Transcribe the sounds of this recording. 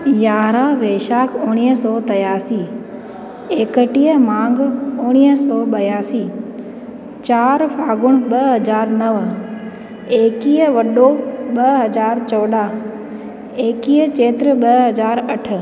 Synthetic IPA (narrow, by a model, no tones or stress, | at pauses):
jaːɾaʋeːʃaːkʰʊɽ̃iːɦəsɔːt̪ɐjaːsiː | eːkəʈijəmãːŋɡʊɽ̃iːɦəsɔːɓɐjaːsiː | t͡ɕaːɾfaːɡʊɽ̃ɓɐɦɐd͡ʑaːɾnɐʋ | eːkiːəʋɐɗoɓɐɦɐzaːɾt͡ɕɔːɗaː | eːkiːət͡ɕeːt̪ɾəɓɐɦɐzaːɾɐʈ̆ʰ